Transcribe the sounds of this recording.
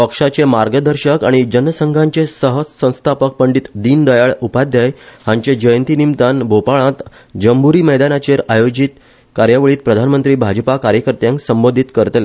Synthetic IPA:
pəkʂat͡semaɾɡəd̪ʱəɾɕəkaɽ̃id͡ʑənːəsəŋɡʱãɲt͡sesəɦəsə̃w̃st̪ʰapək̚pəɳɖit̪d̪iːnd̪əjaɭupad̪ʱjajhãɲt͡ɕed͡ʑəjənt̪inimt̪anbʱopaɭãt̪ | d͡ʑəmbuɾiːməjd̪anat͡ɕeɾajod͡ʑiːt̪ | kaɾjaʋɭiːt̪̚pɾəd̪ʱanmənt̪ɾiːbʱad͡ʑpakaɾjəkəɾt̪jãŋksəmbod̪ʱit̪kəɾt̪le

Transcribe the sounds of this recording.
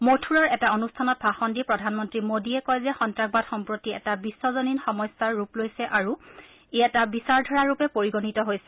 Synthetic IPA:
motʰuɹɔɹɛtaonustʰanɔt̚bʱaxɔndipɹɔdʱanmɔntɹimodiɛkɔjzɛxɔntɹaɡ̚badxɔmpɹotiɛ̰tabisːɔzoninxɔmɔjsaɹːuplojsɛʔaɹu | ejatabisaɹdʱɔɹaɹupɛpoɹiɡonitɔɦojsɛ

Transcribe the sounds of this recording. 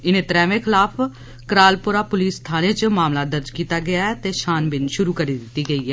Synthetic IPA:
ɪnẽːt̪ɾɛːʋẽːkʰɪlaːpʰ | kɾaːlpʊɾaːpʊliːsːt̪ʰaːneːt͡ʃmaːmlaːd̪əɾd͡ʒkiːt̪aːɡɪaːɛːt̪eːʃaːnbɪnʃʊɾuːkəɾiːd̪ɪt̪ːiːɡəiːɦɛː

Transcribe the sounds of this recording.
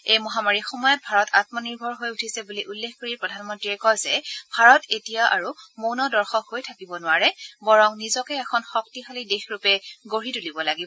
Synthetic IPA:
ejmɔɦamaɹixɔmɔjɔt̚bʱaɹɔtat̚mɔniɹbʱɔɹɦojutʰisɛbuliʔulːexkoɹipɹɔdʱanmɔntɹiɛkɔjzɛbʱaɹɔtetijaʔa̰ɹumownɔdɔɹxɔkɦojtʰakibɔnʊwaɹɛbɔɹɔŋnizɔkɛːxʰɔnxɔk̚tixalidexɹupɛɡoɹitulibɔlaɡibɔ

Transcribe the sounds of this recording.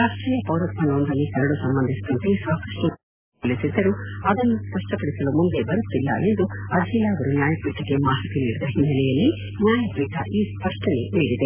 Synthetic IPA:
ɾaːʂʈɾiːjɐpɐwɾɐt̪mɐnoːnd̪ɐlːikɐɾɐɽusɐmbɐnd̪ʱisit̪ɐnt̪esaːkɐʂʈɐ | ɐlisid̪ːɐɾuɐd̪ɐnːuspɐʂʈɐpɐɽisɐlumund̪ebɐɾut̪ːilːɐ̰ʔe̞nd̪uɐd̪ʱilaːɡɐɾunjaːjɐpiːʈːɐɡemaːɦit̪iniːɽid̪ɐɦinːɐlɛjɐlːi | njaːjɐpɾiːʈːɐʔiːspɐʂʈɐliʋiːɽid̪e

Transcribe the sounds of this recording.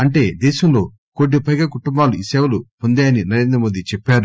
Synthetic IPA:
ɐɳʈe̞ːd̪eːʃɐmlo̞ː | koːɖːipɐjɡaːkuʈumbaːluisɛːʋɐlupond̪eːjɐninɐɾe̞ːnd̪ɾɐmo̞ːd̪it͡ʃɛpːaːɾu

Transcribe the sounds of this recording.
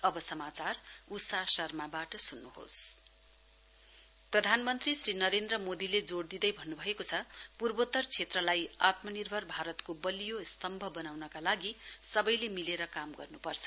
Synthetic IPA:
ʌbʌsʌmat͡sarusasʌrmabaʈʌsunːuɦo̰s | prʌd̪ʱanmʌnt̪risrinʌɾend̪rʌmod̪iled͡zoɽd̪id̪ʌjbʱʌnːubʱʌekot͡sʰʌpurbot̪ʌrt͡sʰet̪rʌlajat̪mʌnirbʱʌrbʱaɾʌt̪kobʌlijost̪ʌmbʱʌbʌnawnʌkalaɡisʌbʌjlemileɾʌkamɡʌ̰rnupʌrt͡sʰʌ̥

